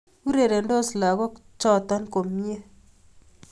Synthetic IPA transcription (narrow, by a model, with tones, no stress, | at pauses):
u˦ɾe˨ɾe˨ndo˦sla˨ɡɔ˦t͡ʃɔ˦t̪ɔ˦nko˨mje˦